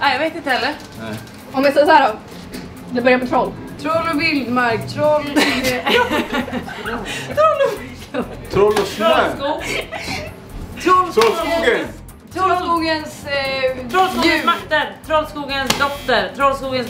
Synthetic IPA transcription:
ajaveːt̪ɪnt̪əhɛlːəɾ | ɔmvɛsɑːsɔhæːɾɔ | d̪ɛbœɾjamɛt̪ʰɾɔlt̪ʰɾɔlɔvɪld̪maɾkt̪ʰɾɔl | t̪ʰɾɔl | t̪ʰɾɔlskuːɡ | t̪ʰɾɔlɾəɡə | t̪ʰɾɔlskuːɡənsʰ | ɾɔsuːɡmakt̪əɾt̪ʰɾɔlskuːɡənsd̪ɔft̪əɾt̪ʰɾɔlskuːɡəns

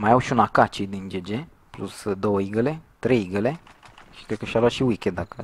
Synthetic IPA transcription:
majawʃiunakat͡ʃid̪ind͡ʒed͡ʒe | plusd̪owəiɡəlet̪ɾejɡəleʃi̥kɾed̪̚kəʃalaʃiwikʲed̪akə

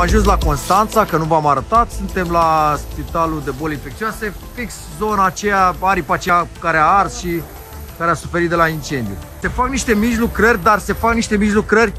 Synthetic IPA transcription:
aʒuns̬lako̞nst̪ant̪sakənuvamaɾət̪at̪sunt̪e̞mlaspit̪alud̪e̞bo̞leinfe̞kt̪siase | fiks | zo̞naːt͡ʃejaaɾipat͡ʃejakaɾeaarsʃi | kaɾeasu̥fe̞ɾit̪d̪elaint͡ʃe̞nd̪iṵse̞fakniʃt̪e̞miʒlukɾərʲd̪arse̞fakniʃt̪e̞miʒlukɾərʲ

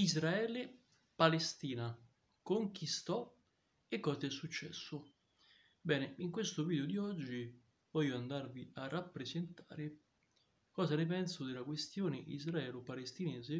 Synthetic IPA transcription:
izɾaɛːle | palest̪iːna | koŋk̟ist̪ɔ | ekːɔːsaɛsːut͡ʃːɛ̰sːʊ | bɛːneiŋkwest̪ʊviːd̪eod̪iɔd͡ʒːi | vɔjːoand̪arviarːapːɾesent̪aːɾe | kɔːzanɪp̬ɛnsʊd̪ɪlakwest̪joːneʔḭzraɛːlopalest̪inɛːze

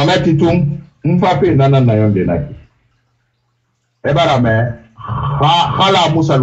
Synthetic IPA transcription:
anatitumm̩fapenananːajɔn̩dena̰ki | ebaɾamɛ | papalamusal

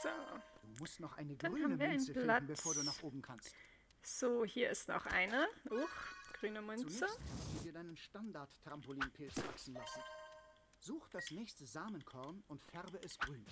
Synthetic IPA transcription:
z̥oːd̥uːmʊstnɔχʔa̰ɪnəɡdanyːhaːmnmviːɐaɪnlant̩bəfoːɐduːnaːχʔoːbm̩kʰans | z̥oːhiːɐɪstnɔ̰χʔa̰ɪnəʔʊxɡ̥ʁyːnəmʏnt͡sɛəvidiːɐdaɪnənʃtandaɐtːʁ̥ampoliːnpʰɪlt͡sva̰ksn̩lasn̩ | z̥uːxd̥asnɛːçstəzaːmənkʰɔɐnʊntfɛʁbəʔɛsɡ̥ʁyːn

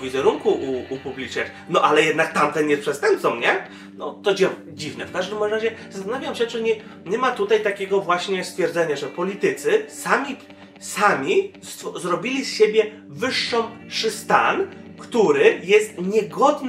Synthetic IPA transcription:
vʲizɛɾuŋkuʔuːpublʲit͡ʂɲʲa̰t͡ɕ | nɔʔalɛjɛd̪nak̚t̪amt̪ɛnjɛspʂɛst̪ɛmp̚t̪sɔmɲɛ | nɔt̪ɔd͡ʑɛ | d͡ʑivnɛfkaʐd̪ɘmɾɾaʑɛzast̪anavʲjamɕɛt͡ʂɘɲɛ | ɲɛmat̪ut̪ajt̪akʲɛɡɔvwaɕɲɛst̪fʲjɛɾd̪zɛɲaʐɛpɔlʲit̪ɘt̪sɘsamʲi | samʲist̪zɾɔbʲilʲisɕebʲjɛ | vɘʂːɔ̃mfʂɘst̪ankt̪uɾɘjɛst̪ɲɛɡɔd̪n

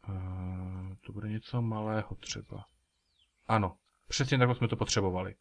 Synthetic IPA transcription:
t̪obudɛɲɛt͡somalɛːɦot̪r̝̥ɛ̰ba̰ | ʔano | pr̝̥ɛs̬ɲɛt̪akt̪osmɛt̪opot̪r̝̥ɛbovalɪ̰

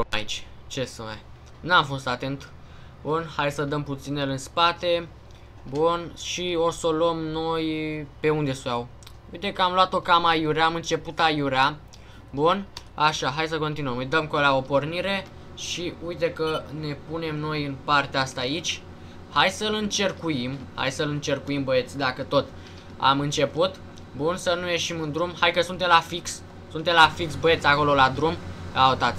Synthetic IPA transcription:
ait͡ʃʲ | t͡ʃe̞sɨma̰ | namfo̞st̪at̪e̞nt̪ | bunhajsəd̪əmput̪sinelɨnspat̪e̞ | bunʃio̞solomno̞jpe̞und̪e̞sujaw | ujt̪e̞kəamloat̪o̞kaməajuɾeamɨnt͡ʃe̞put̪ajuɾea | bun | aʃaɦajs̬əko̞nt̪inuəmɨjd̪əmkolaopo̞rniɾe̞ | ʃiujt̪ekəne̞pune̞mno̞jɨnpart̪east̪aːit͡ʃʲ | hajsəlɨnt͡ʃe̞rkujimha̰jsəlɨnt͡ʃe̞rkuimbəe̞t̪sʲd̪akət̪o̞t̪ | a̰mɨnt͡ʃe̞put̪ | bunsənuje̞ʃimɨnd̪ɾumhajkəsunt̪e̞mlafiks | sunt̪e̞mlafiksbəe̞t̪sʲako̞lo̞lad̪ɾumaət̪at̪sʲ

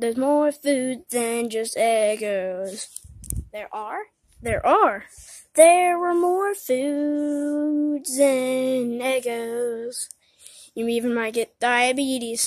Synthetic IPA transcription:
ðə˞zmɔɹfʉd̚ðɨ̃nd͡ʒʌstɛɡoʊz̥ðə˞ʔə˞ | ðə˞ʔə˞ðə˞wə˞mɔɹfʉ | dzɨnɛɡoʊz̥ | jɨmiivɨ̃nmaɪt̚ɡ̥ɛt̚d̥aɪɨbiɾiz̥

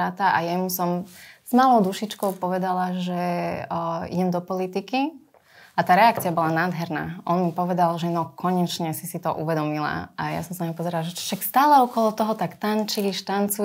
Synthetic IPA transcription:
aːt̪aʔa̰jɛmusɔmz̥maːlɔʊd̪uʃit͡ʃkɔʊpɔʋɛd̪alaʒɛ | ḭɟɛmd̪ɔpɔlit̪iki | at̪aːɾɛakt͡siabɔlanaːd̪ɦɛɾna̰ːʔɔnmipɔʋɛd̪alʒɛnɔkɔɲɛt͡ʃɲɛsisit̪ɔʔuʋɛd̪ɔmila̰ʔaja̰sɔ̃msanaɲipɔzɛɾalaʒɛt͡ʃɔ̥ʃakst̪aːlɛɔkɔlɔt̪ɔɦɔt̪akt̪ant͡ʃiliʃt̪ant͡su

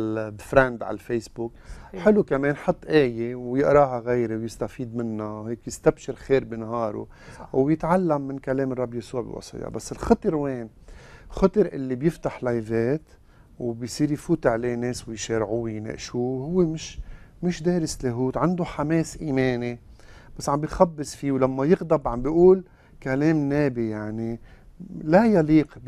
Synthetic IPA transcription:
fɾand̪ʕa̰lfejsbukħɪlukameːnħɑt̪ˤːʔeːjewjɪʔɾˤɑːɦaɣejɾewjɪst̪afiːd̪mɪnːawheːkjɪst̪abʃɪɾxeːɾbinɦɑːɾṵ | wjɪt̪ʕalːamːɪnkaleːmɨrˤːɑbːjasuːʕbḭwɑ̰sˤḭjɑ̰basːɪlxɑt̪ˤɨɾweːn | xɑt̪ˤɨɾʔɪ̰lːibjɪft̪aħlajveːt̪ | wbjsiːɾjfuːt̪ʕleːneːswɪjʃeːɾʕuwijnḛːʔʃuhʊwːemɪʃ | mɪʃd̪eːɾɪsleɦuːt̪ʕand̪ʊħameːsʔiːmeːni | b̥asːʕambijxabːɪsfiːwlamːajɪɣd̪ɑbʕambiʔuːl | kaleːmneːbijaʕni | lajɑliːq

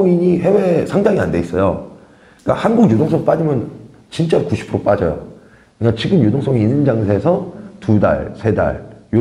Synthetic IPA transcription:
oŋiɲihe̞we̞sʰaŋdaŋia̰nde̞is͈ʌjo | k͈a̰hanɡuɡjodoŋs͈ʰʌɡp͈ad͡ʑimjʌn | t͡ɕint͡ɕ͈akuɕʰi̥pʰɾop͈ad͡ʑʌ̰jo̰ | kɯikat͡ɕiɡɯmjodoŋs͈ʌŋiinɯnd͡ʑaŋsʰe̞sʰʌtuda̰ɭsʰe̞da̰ɭjo

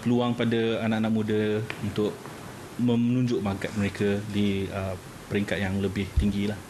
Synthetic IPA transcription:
pəluaŋpadəanaʔanaʔmudəunt̪ʊʔ̚ | mə̃mnũɲd͡ʒʊʔmaɡat̪̚məɾekədiə | pəɾiŋkat̪̚jaŋləbɪht̪iŋɡilah

